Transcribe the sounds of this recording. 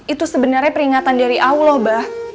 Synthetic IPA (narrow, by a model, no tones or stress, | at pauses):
ʔit̪usəbənarɲapəɾiŋat̪andaɾiʔaulɔhbah